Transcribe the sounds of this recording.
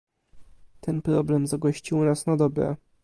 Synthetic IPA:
t̪ʰɛnpɾɔblɛmzaɡɔɕt͡ɕiwnasnad̪ɔbɾɛ̰

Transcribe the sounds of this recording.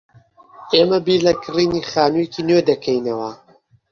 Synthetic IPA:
emɐbiːlɐkʰɨriːniχaːnueciːnwed̪ɐkʰɐjnɐwɐ

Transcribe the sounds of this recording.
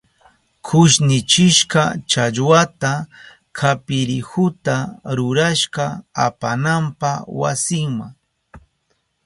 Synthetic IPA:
kʰʊʃnɪt͡ʃɪʃkɑt͡ʃaʎwat̪a | kʰapɪɾɪhʊt̪aɾʊɾaʃkaa̰panampawa̰sɪŋmaŋ

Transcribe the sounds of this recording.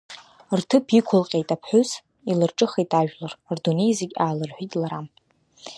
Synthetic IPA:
rtʰɨpʰikʷʰʊlqʲʼe̞jtʼapʰħʷʊz | ilɨrʈ͡ʂʼɨχejtʼaʒᶣlarrdune̞jzeɡʲaːlɨrħʷitʼlaɾam

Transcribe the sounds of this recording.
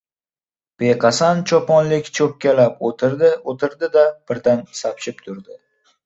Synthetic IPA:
b̥ejqʰɑsant͡ʃʰɒpɒnlɪkʲt͡ʃʰɵp̚kʲalapot̪ʰɪɾd̪ɪot̪ʰɪɾd̪ɪd̪ab̥ɪɾd̪ansapt͡ʃɪpt̪ʰʊɾd̪ɪ

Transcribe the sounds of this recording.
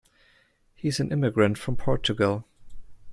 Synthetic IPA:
hiɨzɨ̃nʔɪmɨɡɹɨ̃ntfɹʌ̃mpʰɔɹt͡ʃɨɡəl̩ˠ

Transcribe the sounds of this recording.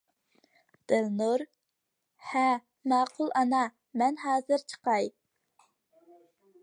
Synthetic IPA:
d̪̥ɪlnuɾ | hɛ | mɑːqʰulˠʔɑnɑ | mɛnɦɑːzɨɾt͡ʃʰə̥qɑj

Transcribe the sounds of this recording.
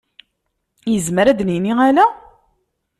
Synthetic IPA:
jəzməɾæd̪niniælæ

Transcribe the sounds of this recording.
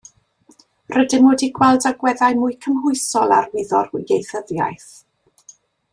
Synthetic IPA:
rədɪnwoːdiɡwɛlˠdaɡwɛðajmʊɨkʰəmhʊɨsɔlˠa̰rwɪðɔr̥ɪɡejθəðja̰jθ

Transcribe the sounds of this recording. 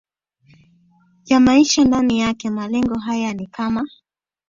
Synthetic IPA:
jamaiʃandanijakɛmalɛŋɡɔɦajanikama

